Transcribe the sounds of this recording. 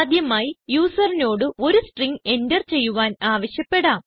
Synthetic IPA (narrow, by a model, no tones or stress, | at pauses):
d̪jɐmaːjijuːsɐrino̞ːɽɨo̞ɾusʈriŋɡe̞ndɐrt͡ɕe̞jːuʋaːnaːʋɐɕjɐpːe̞ɽaːm